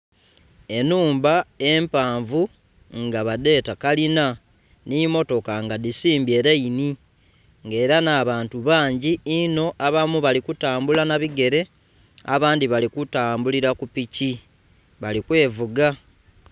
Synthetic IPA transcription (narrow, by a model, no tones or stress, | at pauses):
e̞nuːmbae̞mpaːɱvu | ŋɡaβade̞ːtakalina | nimo̞to̞kaŋɡadisiːmbje̞ːɾejini | ŋɡe̞ːɾanaβaːntuβaːɲɟiːno̞ʔaβamuβalikutaːmbulanaβiɡe̞ɾe̞ | a̰βaːndiβalikutaːmbuliɾakupici | βalikwe̞ːvuɡa